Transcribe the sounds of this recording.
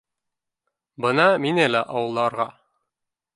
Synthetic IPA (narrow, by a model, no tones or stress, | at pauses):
bɤnɑminælæʔɑwɤ̆lˠːɑɾʁɑ